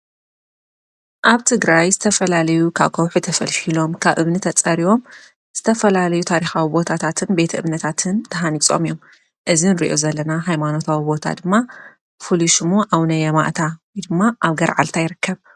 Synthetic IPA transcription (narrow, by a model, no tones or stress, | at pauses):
ʔaβt̪ʰɨɡɾajzɨt̪ʰɐfɐlalɐjukʰa̰βkʰɐwħut̪ʰɐfɐlfilo̞mkʰaβʔɨβnɨt̪ʰɐt͡sʼɐɾiwo̞m | z̥ɨt̪ʰɐfɐlalɐjut̪ʰaɾixawibo̞t̪ʰat̪ʰat̪ʰɨnbe̞t̪ʰɐʔɨβnɐt̪ʰat̪ʰɨnt̪ʰɐɦanit͡sʼo̞̰mijom | ʔɨzinɨɾḭʔo̞zɐlːɐnaɦajmano̞t̪ʰawibo̞t̪ʰa̰d̪ɨmːa | fuliʃmoʔawnɐjɐma̰ʔt̪ʰawjd̪ɨmːaʔaβɡɐɾʕa̰lt̪ʰajɪɾɨkʰːɐβ